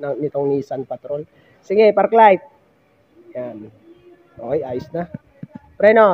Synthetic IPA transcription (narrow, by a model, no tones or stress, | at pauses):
nanit̪ɔŋnisanpat̪ɾɔn | sɛŋɡeparklaip̪̚ | jan | oiaisnah | pɾɛnɔ